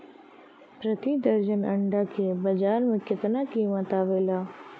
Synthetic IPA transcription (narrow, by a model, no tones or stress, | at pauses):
pɾɐt̪id̪ɐɾd͡ʒənɐ̃ɳɖakebɐd͡ʒaːɾmẽkɪt̪nakiːmət̪aːʋeːlaː